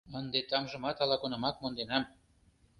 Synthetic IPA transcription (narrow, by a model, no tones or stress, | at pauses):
ənd̪et̪ɑmʒə̆mɑt̪ɑlɑkonɤ̆mɑk̚mond̪enɑm